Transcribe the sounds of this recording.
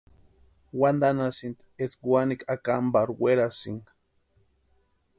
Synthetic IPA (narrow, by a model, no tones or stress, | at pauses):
wand̪anasint̪esɡwanikakambaɾweɾasḭŋɡ